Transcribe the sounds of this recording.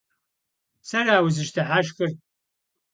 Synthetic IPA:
sɐraːwʊzɨʃtʰɐħaʃxɨr

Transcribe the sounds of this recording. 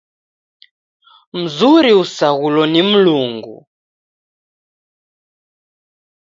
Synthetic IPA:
m̩zuɾiusaɣulɔnim̩luːŋɡṵ

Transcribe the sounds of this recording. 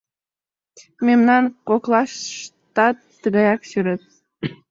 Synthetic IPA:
memnɑnkoklˠɑʃʃt̪ɑt̪əɣɑjɑksyɾet̪̚

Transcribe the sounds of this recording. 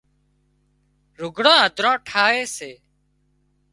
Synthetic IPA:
ɾʊɡʱɽãːɦəd̪ʱɾãːʈʰaːɦeːseː

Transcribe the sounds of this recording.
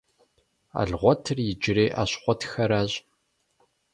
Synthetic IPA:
a̰ːɮʁʷɔtʰɨrjɪd͡ʒɪɾeːʔa̰ːɕχʷɔtxɐɾaːɕʼ

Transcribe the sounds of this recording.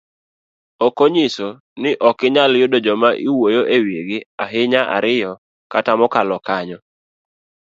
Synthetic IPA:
okoɲiso | nɪʔɔkɪɲaljʊdod͡ʒɔmaʔiwojoʔeweɡɪaɦɪɲaʔa̰ɾɪjɔ | katamɔkalɔkaɲɔ

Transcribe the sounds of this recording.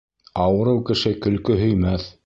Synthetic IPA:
ɑwɤ̆ɾɤwkɘ̆ʃɘkɵ̆lkɵɦɵ̆jmæθ

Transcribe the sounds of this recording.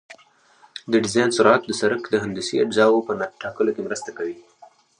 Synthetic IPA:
d̪əɖɪzɑjnsʊɾt̪̚d̪əsaɾəkd̪əɦand̪usiazɑwopənaʈɑkəlokemɾəst̪akawi

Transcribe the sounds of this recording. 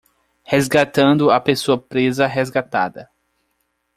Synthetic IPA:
hezɡat̪ɐ̃nd̪ʊapesoɐpɾezɐɦezɡat̪a̰d̪ɐ

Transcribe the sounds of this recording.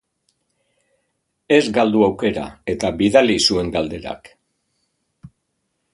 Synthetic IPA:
e̞zɡald̪uawke̞ɾa̰e̞t̪aβiðalisue̞ŋɡald̪e̞ɾa̰k

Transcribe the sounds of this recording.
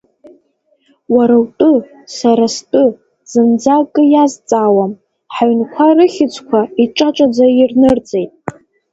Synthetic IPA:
waɾawtʼɨ | saɾastʼɨ | z̥ɨmd͡zakʼɨjazt͡sʼaːwam | ħaɥnkʷʰarɨχʲɪt͡sʷʰʼkʷʰaiʈ͡ʂʼaʈ͡ʂʷʼad͡zairnɨrt͡sʼejtʼ

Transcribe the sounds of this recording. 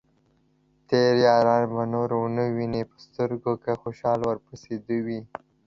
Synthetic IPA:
t̪eɾjɑɾɑnmanoɾonəwinepə̥st̪əɾɡokaxoʃɑlwəɾpəsed̪uwi

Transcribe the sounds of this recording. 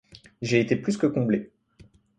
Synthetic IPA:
ʒeːt̪eplyskəkɔ̃ble

